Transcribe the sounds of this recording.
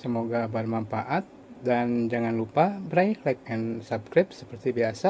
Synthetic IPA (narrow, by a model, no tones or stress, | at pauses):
səmoɡaːbarmanfaʔat̪̚dand͡ʒaŋanlupabəɾaihlak̚ansabskɾɪp̚sə̥pərt̪ibiasa